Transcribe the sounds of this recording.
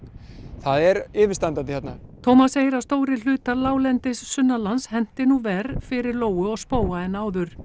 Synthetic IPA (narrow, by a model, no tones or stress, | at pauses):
θaðɛɾɪːvɪɾst̪ant̪ant̪ɪçjɛt̪na̰t̪ʰowmasːeːjɪɾawst̪oːwɾɪlʏːt̪alaːwlɛnt̪ɪsːʏnːalanshɛn̥t̪ɪnuvɛːɾfɪɾɪɾloːwʏɔɣspoːwaɛnːaːwðʏɾ̥